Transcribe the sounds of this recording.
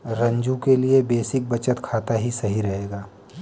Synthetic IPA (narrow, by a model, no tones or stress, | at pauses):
ɾɐ̃ɲd͡ʒũkeliebeːsɪk̚bɐt͡ʃət̪kʰaːt̪aɦisɐɦiɾɐɦeːɡaː